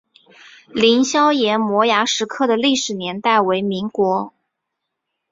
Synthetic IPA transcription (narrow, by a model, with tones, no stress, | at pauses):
li˧˥nɕjɑ˥ʊjɛ˧˥nmwɔ˧˥ja˧˥ʂɻ̩˧˥kʰɤ˥˩d̪ə˩li˥˩ʂɻ̩˨˩njɛ˧˥nt̪a˥˩ɪwe˧˥ɪmi˧˥ŋkwɔ˧˥